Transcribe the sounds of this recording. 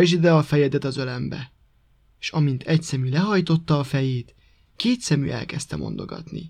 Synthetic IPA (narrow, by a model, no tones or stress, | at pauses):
ʒid̪ɛɒfɛjɛd̪ɛt̪ɒzølɛmbɛ̰ | eʃɒmint̪ʰɛcsɛmylɛɦɒjt̪o̞t̪ːɒːfɛjeːt̪ | keːt̪sɛmy̰ʔɛ̰lkɛst̪ɛmo̞̰nd̪o̞̰ɡɒ̰t̪nḭ